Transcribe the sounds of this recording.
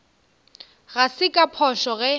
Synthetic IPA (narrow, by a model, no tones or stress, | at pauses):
ɣasɪkʼapʰɔʃɔɣɛ